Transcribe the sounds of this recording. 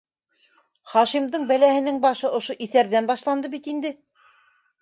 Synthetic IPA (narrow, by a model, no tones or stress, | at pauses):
χɑʃimd̪ɤɴbælæhɘ̆nɘŋbɑʃɤŏʃoʔiθæɾðænbɑʃlˠɑnd̪ɤbit̪ind̪ɘ